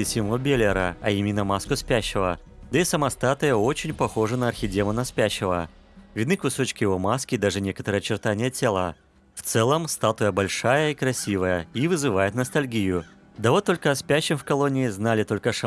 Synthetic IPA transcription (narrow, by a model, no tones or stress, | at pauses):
ɪsʲɪmobʲelʲɪɾə̰ɐimʲɪnːəmaskʊspʲæɕːɪvə | d̪əisəmɐst̪at̪ɨjəo̞t͡ɕɪnʲpɐxo̞ʐənəɐrxʲɪdʲemənɐspʲæɕːɪvə̰ | vʲɪd̪nɨkʊso̞t͡ɕkʲɪjɪvo̞maskʲɪd̪aʐɨnʲe̞kət̪əɾɨəjət͡ɕɪrt̪anʲɪjətʲelˠə̰ | ft̪sɛlˠəmst̪at̪ʊjəbɐlʲʂajəikɾɐsʲivəjəivɨzɨvajɪt̪nəst̪ɐlʲɡʲijʊ | d̪ɐvo̞t̪ːo̞lʲkəɐspʲæɕːɪmfkɐlˠo̞nʲɪːznalʲɪt̪o̞lʲkəʂɐ